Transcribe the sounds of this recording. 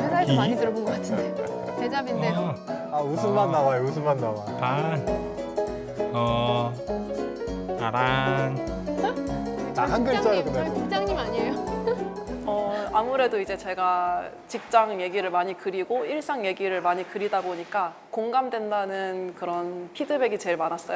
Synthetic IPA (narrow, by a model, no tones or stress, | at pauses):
sʰesaemaɲitɯɾʌbonɡʌk͈atʰinde | ted͡ʑabineo | ausʰɯnmanːawajousʰɯmmanːawa | an | ʌ | aɾan | aɦanɡɯt͡ɕ͈ʌonkokt͡ɕ͈aŋɲimaɲiejo | ʌamuɾe̞doid͡ʑe̞t͡ɕe̞ɡa | t͡ɕik̚t͡ɕ͈aŋje̞ɡiɾɯɭmaɲikɯɾiɡoiɭs͈aŋje̞ɡiɾɯɭmaɲikɯɾidaboɲik͈a | koŋɡamdwe̞ndanɯnkɯɾʌnpʰidɯbe̞ɡit͡ɕe̞ɭmanas͈ʌjo